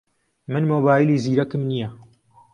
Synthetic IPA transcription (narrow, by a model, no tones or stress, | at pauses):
mɨnmoːbaːjiliːziːɾɐkɨmnijɐ